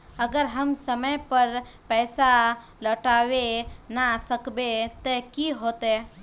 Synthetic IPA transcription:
əɡəɾɦəmsəməjpəɾpɛːsa | ləʈaːwenasəkbet̪okiɦoːt̪e

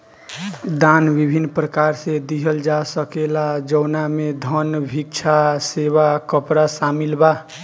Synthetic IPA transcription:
d̪anbibʱinːpɾəkaɾsẽd̪iɦəld͡ʒasəkelad͡ʒəwnamed̪ʱənbʱikt͡ʃʰaseβakəpɾasamilba

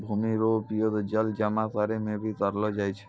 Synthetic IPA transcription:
bʱumiɾopiod̪d͡ʑəld͡ʒamak̪aɾemebit̪aɾlod͡ʑajt͡ɕʰe

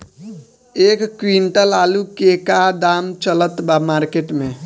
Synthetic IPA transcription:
eːkːɾiɳʈəlaːlukekad̪aːmt͡ʃələt̪bamaːɾkeːʈmẽ

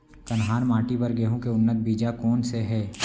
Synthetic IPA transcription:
kɐnɦaːɾmãːʈibɐɾɡeːɦõkeʊnːət̪̚bʱiːd͡ʒakɔːnseɦɛː

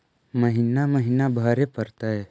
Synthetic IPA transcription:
məɦinaməɦinabʱəɾepəɾt̪aɦɛ

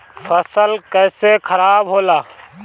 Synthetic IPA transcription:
fʰəsəlkɛːsekʰəɾaːbɦoːlaː

